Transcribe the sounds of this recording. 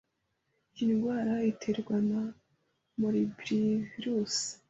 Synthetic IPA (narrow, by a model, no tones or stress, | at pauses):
jinɡwaːɾaitʰe̞ɾɡwana | muɾibɾiviɾusi̥